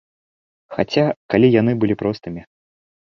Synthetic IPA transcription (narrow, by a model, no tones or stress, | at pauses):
xat͡sʲakalʲijan̪ɨbɨlʲipɾɔst̪ɨmʲi